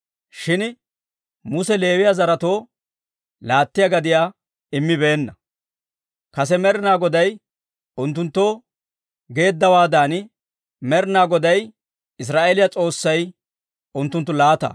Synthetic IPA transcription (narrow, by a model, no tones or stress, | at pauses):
ʃɪn | mʊsɛle̞ːwɪjazɐɾɐt̪o̞ː | laːt̪ːɪjɐɡɐd̪ɪjaː | ɪmːɪbe̞ːnːɐ | kɐs̬ɛmɛɾɪnaːɡɔd̪ɐj | ʊnt̪ːʊnt̪ːoː | ɡe̞ːd̪ːɐwaːd̪aːn | mɛɾɪnaːɡɔd̪ɐj | ɪs̬ɾaːʔelɪjɐt͡sʼo̞ːsːɐj | ʔʊnt̪ːʊnt̪ːʊlaːt̪ɐ̰